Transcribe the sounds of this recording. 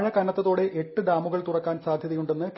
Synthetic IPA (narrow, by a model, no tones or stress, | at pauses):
ɻɐkɐnɐt̪ːɐðoːɽe̞ʔeʈːɨd̪aːmuɣɐɭt̪urɐkːaːnsaːd̪ʱjɐðɐjuɳɖe̞nːɨk